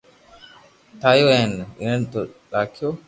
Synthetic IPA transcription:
t̪ʰaːjoːɛnɪ̰nənt̪oɗaːkʰijoː

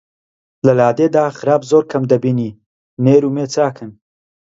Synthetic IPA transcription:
lɐlaːd̪ed̪aːχɨɾaːbzoːɾkʰɐmd̪ɐbiːniː | neːɾuːmeːt͡saːkʰɨn

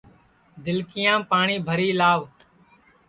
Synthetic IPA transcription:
d̪ɪlkɪjãːpaːɳiːbʱəɾiːlaːʋ

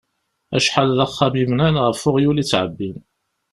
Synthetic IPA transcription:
æʃħalðəχːamimnænʁəfʊʁjulit͡sːʕəbːin

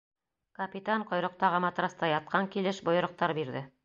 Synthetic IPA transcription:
kɐpʲit̪aɴqŏjɾɤ̆q̚t̪ɑʁɤmɑt̪ɾɑst̪ɑjɑt̪̚qɑŋkilɘʃbŏjɤ̆ɾɤ̆q̚t̪ɑɾbiɾðɘ

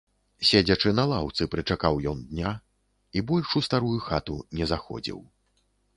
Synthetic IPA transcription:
sʲed͡zʲɐt͡ʂɨnɐlˠawt̪sɨpɾɨt͡ʂakawjɔnd̪nʲa | ibɔlʲʂust̪aɾujuxat̪unʲɛzaxɔ̰d͡zʲḭw

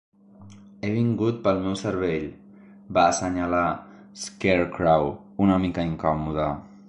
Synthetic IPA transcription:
eβiŋɡut̪̚pəlˠmɛwsəɾβeʎ | basəɲala | skeɾkɾaw | unəmikəiŋkɔmuð̞ə

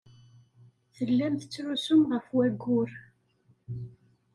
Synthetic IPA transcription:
θəlːæmθət͡sːɾusʊmʁəfwæɡːʊɾ

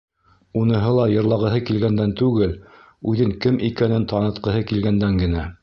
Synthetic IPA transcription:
unɤ̆ɦɤlˠɑjɤ̆ɾlˠɑʁɤ̆ɦɤkilɡænd̪ænt̪ʉɡɘl | ʉðɘŋkɘmʔikænɘnt̪ɑnɤ̆t̪̚qɤ̆ɦɤkilɡænd̪æŋɡɘ̆næ

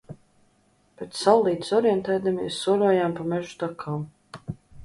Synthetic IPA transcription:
pet̪ssalˠːiːt̪sɔɾjɛnt̪ɛːd̪amʲiɛsːuɔlʲuɔjampamɛʒu̥t̪akʰaːm

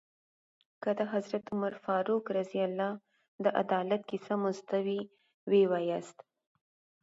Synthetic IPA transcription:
kad̪aɦazɾat̪ʊmaɾfɑɾukɾazialːɑ | d̪əʔa̰d̪ɑlat̪̚kisamʊzt̪awi | wewajast̪

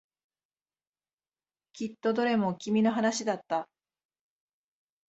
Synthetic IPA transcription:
kʲit̪ːo̞d̪o̞ɾe̞mo̞kʲimʲino̞ɦanaɕid̪at̪ːa

